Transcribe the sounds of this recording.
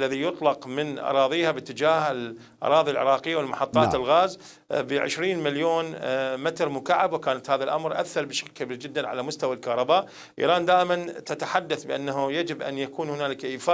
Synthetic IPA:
lːaðijʊt̪ˤlɑqmɪnʔɑ̰ɾˤɑːðˤiːhabɪt̪ːɪd͡ʒaːhɪl | ʔɑ̰ɾˤɑːðˤilʕɪ̰ɾˤɑːqɪjːawɪlmaħɑt̪ˤːɑːt̪ɪlɣaːz | bəʕɪ̰ʃɾiːnmaljoːnmɪt̪ɾmʊkaʕabwkaːnat̪haːðalʔamɾʔa̰θːɑɾˤbɪʃḁklkabiːɾd͡ʒɪd̪ːanʕa̰lamʊst̪awalkɑhɾˤɑbaːʔ | ʔḭːɾˤɑːnd̪aːʔɪmant̪at̪aħad̪ːaθbɪʔanːaɦujad͡ʒɪbʔa̰njakuːnhʊnaːlɪkʔiːfaː

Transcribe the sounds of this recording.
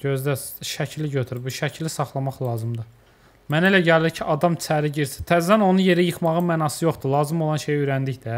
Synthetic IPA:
ɟø̞zd̪æʃæcʰliɟøt̪ʰyɾbuʃæcʰlisɑχlˠɑmɑχlˠɑːzɯmd̪ɯ | mænelæɟæliɾcʰiʔɑd̪ɑmt͡ʃʰæɾiɟiɾsi̥t̪ʰæzd̪æno̞nuje̞ɾijɯχmɑʁɯmænɑsɯjoχd̪ulˠɑːzɯmo̞lˠɑnʃe̞jøɾænd̪içd̪i

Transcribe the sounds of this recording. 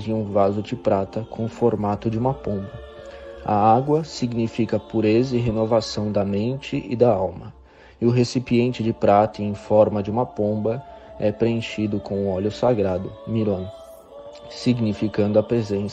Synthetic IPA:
d͡ʒɪ̃ũvazʊd͡ʒɪpɾat̪ɐkʰõw̃ʊfoɾmat̪ʊd͡ʒɪũmɐpõbɐ | ɐ̰aɡwɐsiɡnifikɐpuɾezɐɪɦenovasɐ̃w̃d̪ɐmẽnt͡ʃɪʔɪd̪ɐawmɐ | ɪʊɦesipiẽnt͡ʃɪd͡ʒɪpɾat̪ɐẽj̃fɔɾmɐd͡ʒɪũmɐpõbɐɛpɾeẽʃid̪ʊkõw̃ʊ̃ɔʎʊsaɡɾad̪ʊmilɐ̃ | siɡnifikɐ̃nd̪ʊɐpɾezẽs

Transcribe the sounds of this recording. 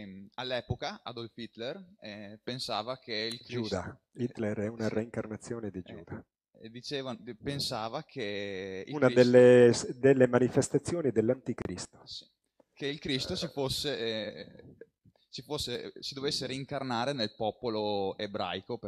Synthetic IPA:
alːɛːpokaad̪olfit̪lerpensaːvakʰeilkɾd͡ʒiud̪ait̪lɛɾɛunareiŋkarnat̪sːjoːned̪id͡ʒuːd̪a | d̪it͡ʃeːvapensaːvakʰeiunad̪elːesd̪elːemanifest̪at̪sːjoːnid̪elːant̪ikɾist̪o̥ | keilkɾist̪ot͡ʃifosːe | t͡ʃifosːesid̪ovesːeɾiːŋkarnaːɾenelpɔːpoloebɾa̰jkop

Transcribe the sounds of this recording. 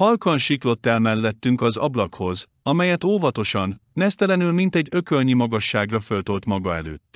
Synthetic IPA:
hɒlkɒnʃiklo̞t̪ːɛlmɛlːɛt̪ːyŋkɒzɒ̰blɒkho̞z | ɒmɛjɛt̪oːvɒt̪o̞ʃɒnːɛst̪ɛlɛnylmint̪ɛɟːø̞kølɲimɒɡɒʃːaːɡrɒfø̞lt̪olt̪mɒɡɒɛ̰lø̰ːt̪ː

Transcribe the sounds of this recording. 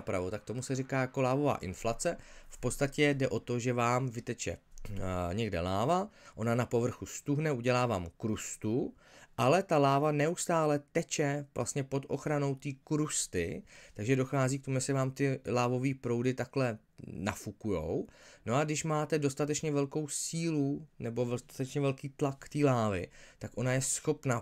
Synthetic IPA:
pɾavot̪ak̚t̪o̞musɛrɪkaːjako̞laːvo̞va̰ːʔɪnflat͡sɛfpot̪st̪acɛdɛʔo̞t̪o̞ʒɛvaːmvɪt̪ɛt͡ʃɛ̰ | ɲɛɡdɛ̰laːvaʔo̞nanapo̞vr̩xust̪uɦnɛʔuɟɛlaːvaːmkɾust̪u | ʔalɛt̪alaːvanɛust̪aːlɛt̪ɛt͡ʃɛvlʔa̰st̪ɲɛpo̞t̪ʔo̞̰xɾano̞wt̪iːkɾust̪ɪ̰t̪aɡʒɛdo̞xaːziːk̚t̪o̞muʒjɛsɪvaːmt̪ɪlaːvo̞viːpɾo̞wdɪt̪aklɛ | nafukujo̞̰wno̞aɡdɪʃmaːt̪ɛdo̞st̪at̪ɛt͡ʃɲɛvɛlko̞wsiːlunɛbo̞vɛst̪ḁt̪ɛt͡ʃɲɛvɛlkiːt̪lakt̪iːlaːvɪt̪akʔo̞najɛsxo̞pna

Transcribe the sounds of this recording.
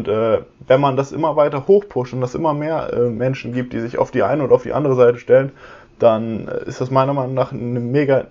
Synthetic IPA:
ntʔɛːvɛnmandasʔɪ̰mɐvaɪtɐhoːxpʰʊʃtʊntd̥asʔɪ̰mɐmeːɐʔɛ̰ːmɛnʃn̩ɡiːp̚t̚d̥iːzɪça̰ʊfd̥iːʔa̰ɪnəoːdɐaʊfḭːʔa̰ndəʁ̞əzaɪtəʃtɛlən | d̥an̰ːɪ̰std̥asmaɪnɐmaɪnʊŋnaːχnəmeːɡa

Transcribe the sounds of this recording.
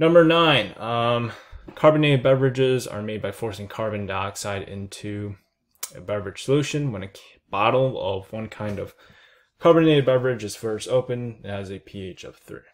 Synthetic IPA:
nʌ̃mbə˞nãɪ̃n | kʰɑɹbɨ̃neɪɾɨbɛvə˞ɨd͡ʒɪzə̰˞meɪd̚baɪfɔɹsɪ̃ŋkʰɑɹbɨ̃ndɑksaɪɾɪ̰̃ntʰʉ | ɨ̰bɛvə˞ɨd̥ʒ̥səlʉʃɨ̃nwə̃nɨ | b̥ɑɾl̩ˠʌ̰vwʌ̃nkʰãɪ̃ndʌv̥ | kʰɑɹbɨ̃neɪɨbɛvə˞ɨd͡ʒɨz̥fɜ˞stoʊpɨ̃nɨzɨpʰieɪt͡ʃʌ̰v̥θḭ

